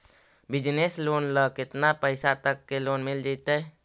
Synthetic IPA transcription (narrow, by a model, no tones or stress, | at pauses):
bid͡ʒneslonləkket̪napəɪsat̪əkːelonmild͡ʒaɪt̪ɛ